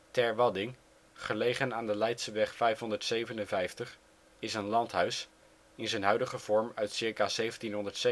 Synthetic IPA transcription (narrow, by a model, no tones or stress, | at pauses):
tɛɹʋɑdɪŋ | χəlejχənaːndəlɛjtsəʋɛχfɛjfɦɔndəɹtsejvənənvɛjftəχ | ɪsənlɑntɦœɥs | ɪnzɛjnɦœɥdəχəv̥ɔɹmœɥtsɪɹkaːzejvəntinɦɔndəɹtse